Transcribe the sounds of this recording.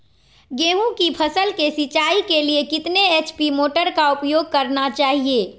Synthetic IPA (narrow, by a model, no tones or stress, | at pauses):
ɡeːɦũkipʰəsəlkesit͡ʃaːikeliekɪt̪neet͡ʃpimoːʈəɾkaʊpjoːɡ̚kəɾnat͡ʃaːɦieː